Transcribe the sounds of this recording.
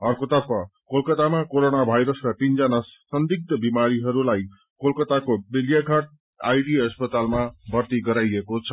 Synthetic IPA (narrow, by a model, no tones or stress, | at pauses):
ʌrkot̪ʌpːʌkolkʌt̪amakoɾonabʱajɾʌskat̪ind͡zʌnasʌnd̪ik̚t̪ʌbimaɾiɦʌɾulaj | kolkʌt̪akobiljakʰʌʈ̚ | ajɖiʌspʌt̪almabʱʌrt̪iɡʌɾajekot͡sʰʌ